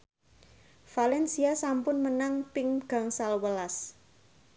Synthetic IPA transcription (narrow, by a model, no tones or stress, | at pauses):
falɛnsiasampʊnmənaŋpɪŋɡ̥a̤ŋsalwəlas